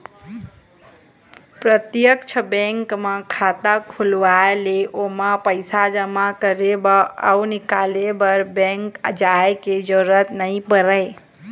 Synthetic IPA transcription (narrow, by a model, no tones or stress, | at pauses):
pɾət̪jəkt͡ʃʰəbẽŋkmãkʰat̪akʰulʋaeleʔomapəɪsad͡ʒəmakəɾebaa̰unikalebəɾbɛ̃ŋkd͡ʒaeked͡ʒəɾət̪nəĩpəɾəj